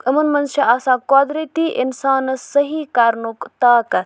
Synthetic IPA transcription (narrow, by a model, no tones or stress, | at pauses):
ɐmɐnmɐnʃɐaːsãːkoːd̪ɾit̪iʔɪnsaːnsɐɦikaːɾnukt̪aːkɐ